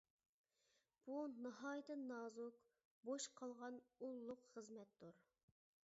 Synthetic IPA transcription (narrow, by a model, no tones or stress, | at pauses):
b̥unɨɦɑːjt̪ʰɨnɑːzuk | boʃqʰɑlˠʁɑnulˠːʊqχəzmɛt̪d̪uɾ